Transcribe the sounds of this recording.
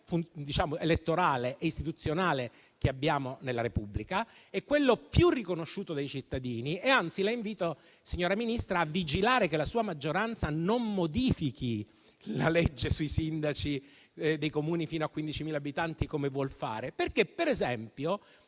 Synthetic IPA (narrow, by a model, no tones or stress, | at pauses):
fund̪it͡ʃaːmoelet̪ːoɾaːleʔeist̪it̪ut̪sːjonaːle | k̟eabːjaːmonelːaɾepubːlikaɛkːwelːopjurːikonoʃːuːt̪od̪ejt͡ʃit̪ːad̪iːnieant̪silaiɱviːt̪o | siɲːoːɾaminist̪ɾaːvːid͡ʒilaːɾekelasuːamad͡ʒːoɾant̪sanomːod̪iːfiki | la̰lɛd͡ʒːesuisind̪at͡ʃi | d̪ejkomuːnifiːnoakːwind̪it͡ʃimiːlabit̪ant̪ikomevwɔlfa̰ːɾeperkepːeɾezɛmpjo